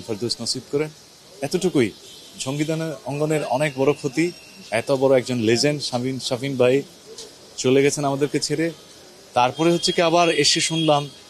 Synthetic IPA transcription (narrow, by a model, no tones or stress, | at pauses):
bʰʱɔɾd̪osnosit̪̚kɔɾen | ɛt̪oʈʰukuj | d͡ʑʱoŋɡid̪anɔŋɡoneɾɔnek̚bɔɾokʰot̪i | ɛt̪obɔɾoɛk̚d͡ʑonled͡ʑenʃainʃafinbʱaj | t͡ɕoleɡɛt͡ɕʰenamad̪eɾket͡ɕʰeɾe | t̪aɾpɔɾeɦotːɕʰekiabaɾeʃeʃunlam